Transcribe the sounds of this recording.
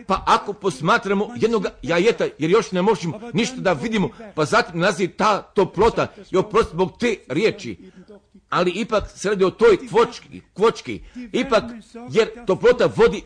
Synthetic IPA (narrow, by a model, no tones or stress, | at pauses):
paʔakopo̞smaːt̪ɾamojed̪no̞ɡajajet̪ajeɾjo̞ʃnemo̞ʒemoniʃt̪ad̪aʋid̪imopazat̪imnazit̪aːt̪oplˠo̞t̪aiopɾost̪zbo̞ɡt̪eːɾjeːt͡ʃḭ | aliipaksɾaːd̪iot̪o̞ːjkʋot͡ʃkkʋot͡ʃkḭipakjeɾt̪oplˠo̞t̪aʋo̞d̪i